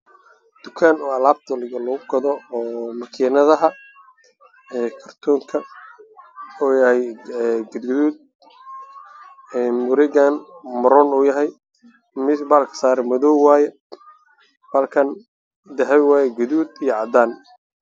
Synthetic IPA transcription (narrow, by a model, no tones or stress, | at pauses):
d̪̥ʊkʰaːnɔːɐlaːb̚t̪ʰɔlɪɣɐlɔɣʊɡɐðɔːmɐkʰiːnɐðɐɦɐ | ɛːkʰɐrt̪ʰɔːŋkʰɐ | uːjɐhɛjɛɡʊd̪ɡʊðuːd̪̚ | ɛmʊɾɪɣanmɐɾɔnuːjɐɦɛj | mɪbalkʰɐ̥saːɾɛmɔðɔwwaːjɛ | b̥ɐlkʰɐn | d̪ɐɦɛjwaːjɛɡʊðuːd̪ijɔʕɑd̪aːn